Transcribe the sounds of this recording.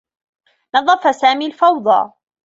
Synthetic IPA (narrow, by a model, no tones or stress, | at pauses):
nɑðˤːɑfasaːmiːlfɑwd̪ˤɑ̰ː